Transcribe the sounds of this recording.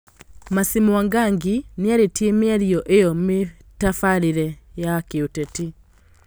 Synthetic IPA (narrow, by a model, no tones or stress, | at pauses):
masimwaŋɡaŋɡiniaɾetjemeaɾiɔʔejɔme | tafaɾiɾɛjakeotɛti